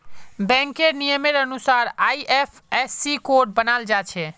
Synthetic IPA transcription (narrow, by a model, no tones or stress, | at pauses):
bɛ̃ŋkenijəmeɾənusaɾaiʔepʰɛsːikoɾʈ̚bənald͡ʒat͡ʃʰɛ